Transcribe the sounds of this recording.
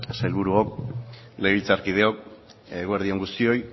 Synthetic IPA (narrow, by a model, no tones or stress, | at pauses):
sajlβuɾuok̚ | le̞jβilt͡saɾkið̞eo̞k̚ː | ɣoeɾð̞io̞ŋɡust̪io̞j